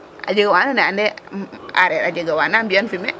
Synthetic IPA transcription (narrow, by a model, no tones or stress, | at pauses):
a̰d͡ʒəɡawananɛandɛa̰ɾɛɾad͡ʒəɡawanambijonfimɛ